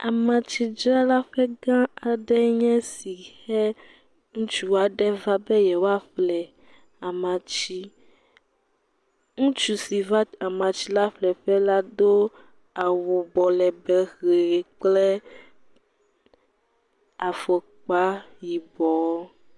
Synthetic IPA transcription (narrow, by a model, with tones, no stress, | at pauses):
a˨mã˨t͡ʃi˦d͡ʒɾa˦la˦ɸɛ˦ɡã˦a˨ɖɛ˦ɲɛ̃˦si˨xɛ˦ | ŋũ˦t͡ʃu˨wa˨ɖɛ˦va˦bɛ˦jɛ˨wo˦a˦flɛ˨ | a˨mã˨t͡ɕi˦ | ŋũ˦t͡ʃu˨si˨va˦a˨mã˨t͡ʃi˦la˦flɛ˨ɸɛ˦la˦d̪o˦ | a˨wu˨bɔ˨lɛ˨bɛ˨xe˨k͡plɛ˦ | a˨fɔ˨ | k͡pa˦ji˨bɔ˨˦